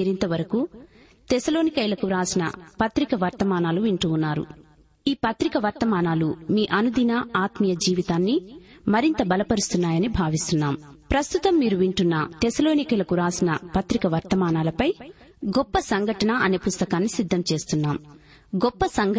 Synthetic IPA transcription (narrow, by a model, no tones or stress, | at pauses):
iɾint̪ɐʋɐɾɐku | t̪esɐlo̞ːnikɐjlɐkuɾaːsinɐ̰pɐt̪ɾikɐʋɐɾt̪ɐmaːnaːluʋiɳʈuːunːaːɾṵ | iːpɐt̪ɾikɐʋɐɾt̪ɐmaːnaːlumiːʔɐnud̪inɐaːt̪mijɐd͡ʒiːʋit̪aːnːimɐɾint̪ɐbɐlɐpɐɾust̪unːaːjɐnibʱaːʋist̪unːaːmpɾɐst̪ut̪ɐmːiːɾuʋiɳʈunːɐt̪esɐlo̞ːnikɐjlɐkuɾaːsinɐ̰pɐt̪ɾikɐʋɐɾt̪ɐmaːnaːlɐpɐj | ɡɔpːɐsɐŋɡʱɐʈɐnɐɐneːpust̪ɐkaːnːisid̪ʱːɐmt͡ʃe̞ːst̪unːaːm | ɡɔpːɐsɐŋɡ